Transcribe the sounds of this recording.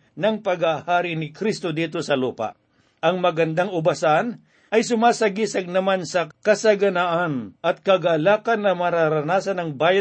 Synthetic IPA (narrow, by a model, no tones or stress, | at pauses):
nɐŋpɐɡahaːɾɪnɪkɾist̪od̪iːt̪o̞sɐluːpa̰ʔ | ʔɐŋmɐɡɐnd̪aŋʊbɐsan | ʔɐjsʊmaːsɐɡisɐɡ̚nɐmansɐkɐsɐɡɐnaʔanʔɐt̪̚kɐɡalaːkɐnːɐmɐɾaɾɐnaːsɐnɐŋbaːjɐ